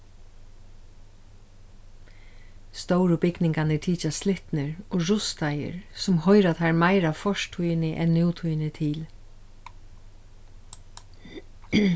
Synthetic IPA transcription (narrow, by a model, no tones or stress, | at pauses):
st̪ɔwɾʊbɪknɪŋkanɛʈʰiːt͡ʃaslɪht̪nɪɹoɹʊst̪ajə̰ɹsʊmhɔʏɾat̪ʰaɹmaɪɾaʋfɔʂt̪ʰujnɪʔɛnːjuːt̪ʰujnɪt̪ʰɪl